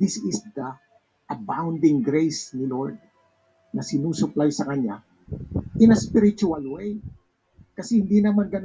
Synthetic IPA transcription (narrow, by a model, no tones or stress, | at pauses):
dɪsɪsd̪ɐ | ʔɐbãwnd̪ɪ̃ŋɡɾejsniloɹd̪̚ | nɐsɪnuːsʊplajsɐkɐɲa | ʔɪnɐspɪɾɪt͡ʃʊɐlwej | kɐsɛhɪnd̪inɐmanɡɐn